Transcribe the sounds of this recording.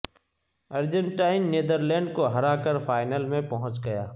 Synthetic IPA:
ɐɾd͡ʒə̃ɳʈaːɪnːeːd̪əɾlɛ̃ːɳɖkoɦɐɾakəɾfaːɪnəlmẽpɐɦʊ̃t͡ʃɡɐjaː

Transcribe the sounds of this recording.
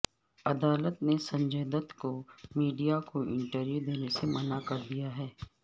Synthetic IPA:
ɐd̪aːlət̪nesɐ̃ɲd͡ʒeːd̪ət̪komiːɖijakoɪ̃ɳʈəɾjud̪eːnesemɐnakɐɾd̪ijaɦɛː

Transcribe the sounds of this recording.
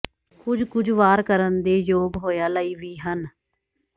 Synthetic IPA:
kʊd͡ʒkʊd͡ʒʋaːɾkəɾənd̪eːjoːɡɦoːjaːləiːʋiːɦən

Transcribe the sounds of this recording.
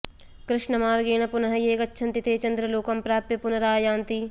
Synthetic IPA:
kɾɪʃɳɐmaːɾɡeːnɐpʊnɐɦɐjeːkɐtːʃʰɐ̃nt̪it̪ʰeːt͡ʃɐ̃nd̪ɾɐloːkɐmpɾaːpjɐpʊnɐɾaːjaːnt̪i

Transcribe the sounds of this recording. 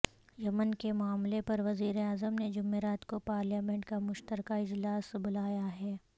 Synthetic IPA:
jɐmənkemʊaːmlepɐɾʋɐziːɾeaːzəmned͡ʒʊmːeːɾaːt̪kopaːɾlaːmẽɳʈkamʊʃt̪əɾkaɪd͡ʒlaːsbʊlaːjaɦɛː

